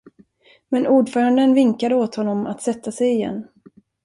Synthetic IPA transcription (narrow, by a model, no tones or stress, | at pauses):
mɛnʔuːɖfœːɾand̪ənvɪŋkad̪əoːt̪hɔnːɔma̰t̪sɛt̪ʰːasɛjɪjɛ̰nː